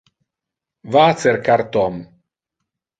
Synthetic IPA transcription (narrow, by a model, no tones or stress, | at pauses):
vaːt̪t͡s̪eɾkaɾt̪ɔm